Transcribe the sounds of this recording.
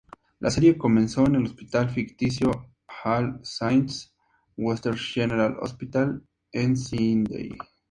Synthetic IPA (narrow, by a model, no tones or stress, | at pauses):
lʔaseɾjekomẽnsoenelospit̪alfikt̪is̬jo | halsajns | west̪eɾʃeneɾalo̰spit̪al | ensind̪ḛj